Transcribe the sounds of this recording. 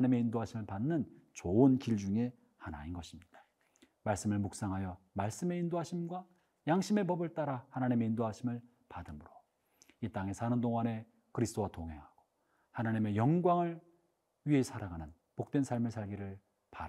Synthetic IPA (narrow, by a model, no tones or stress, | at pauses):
aɲime̞indoɦaɕʰimɯɭpanːɯnt͡ɕoɯnkiɭd͡ʑuŋe̞ | hana̰inɡʌɕʰimɲid̥ḁ | maɭs͈ɯmɯɭmuk̚s͈aŋɦajʌ | maɭs͈ɯme̞indoɦaɕʰimɡwa | jaŋɕʰime̞pʌbɯɭt͈aɾahanaɲime̞indoɦaɕʰimɯɭ | padɯmuɾo | it͈aŋe̞sʰanɯndoŋane̞ | kɯɾisʰt͈owatoŋɦe̞̰ŋɦaɡ̥o̥ | hanaɲime̞jʌŋɡwaŋɯɭ | ɥiɦe̞sʰaɾaɡanɯn | pok̚t͈wensʰaɭmɯɭsʰaɭɡiɾɯɭ | paɾ